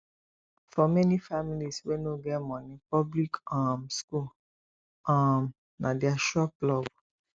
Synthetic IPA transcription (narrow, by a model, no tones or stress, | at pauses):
fɔmɛnĩfamiliswenoɡɛmɔ̃nĩpɔblikamskul | am | nãdiaʃaplɔb̚